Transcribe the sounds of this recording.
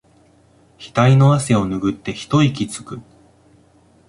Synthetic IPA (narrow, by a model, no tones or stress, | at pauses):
çi̥t̪aino̞ase̞o̞nɯ̟ɡɯ̟t̪ːe̞çi̥t̪o̞ikʲit͡sɨ̥kɯ̟